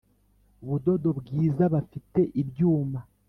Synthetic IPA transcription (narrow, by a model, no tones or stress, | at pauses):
uβudo̞do̞bɡiːzaβafite̞ʔibjuːma